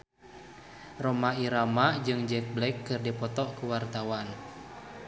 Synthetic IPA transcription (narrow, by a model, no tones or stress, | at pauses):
rɔmaiɾamad͡ʒɨŋd͡ʒɛk̚blɛkːɨrdipɔt̪ɔkuwart̪awan